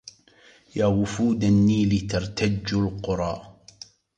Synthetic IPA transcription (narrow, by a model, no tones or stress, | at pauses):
jaːwʊfuːd̪anːiːlɪt̪ɑɾˤt̪ad͡ʒːalqʊɾˤɑ̰ː